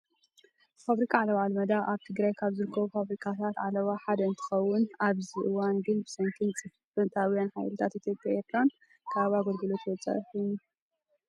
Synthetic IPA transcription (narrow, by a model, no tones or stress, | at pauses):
faβɾikʼʰaʕalɐβalmɐd̪aʔaβt̪ʰɨɡɾajkʰaβzɨɾɨkʰːɐβufaβɾikʰʼat̪ʰat̪ʕalɐβaħad̪ɐɨnt̪ʰɨ̥xɐwːʊnaβziʔɨwanɡɨnbɨsɐŋkʰɨnt͡sʼɨffɨnt̪ʰawijanħa̰jlɨt̪ʰat̪it̪ʰjo̞pʼjaeɾt̪ʰɾan | kʰaβaɡolɡɨlot̪ʰwɔt͡sʼa̰ħunu